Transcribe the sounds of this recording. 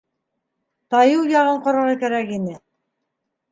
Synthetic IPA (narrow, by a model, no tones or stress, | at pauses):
t̪ɑjɤwjɑʁɤɴqŏɾɑ̆ʁɑkæɾækinɘ